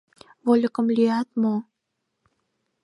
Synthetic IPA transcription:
βolʲə̆kə̆mlʲyjɑt̪mo

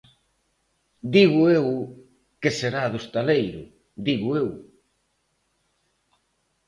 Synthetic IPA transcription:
d̪iɣʊew | keseɾaðost̪alejɾʊ̰ | d̪iɣʊew

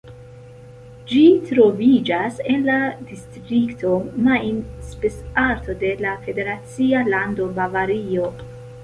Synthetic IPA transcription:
d͡ʒitɾo̞vid͡ʒase̞nladistɾiktʰo̞majnspesaɾtʰo̞de̞lafe̞de̞ɾat͡sialando̞bavaɾio̞

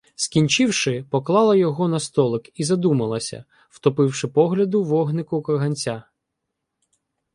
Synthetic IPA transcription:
skʲinʲt͡ʃɪwʃɪpɔklˠɑlˠɐjɔɦɔnɐst̪ɔlˠɪkizɐd̪umɐlˠɐsʲɐ̰ | wt̪ɔpɪwʃɪpɔɦlʲɐd̪ʊwɔɦnɪkʊkɔrɦɐnʲt͡sʲa

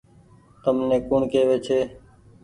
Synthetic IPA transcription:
t̪əmnẽːkuːɳkeːʋeːt͡ʃʰeː

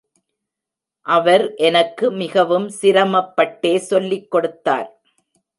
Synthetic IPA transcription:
ʔɐʋɐɾʔɛnɐkːɯmɪɣɐʋɯmsɪɾɐmɐpːɐʈːeːsɔlːɪkːɔɽɯt̪ːa̰ːɾ

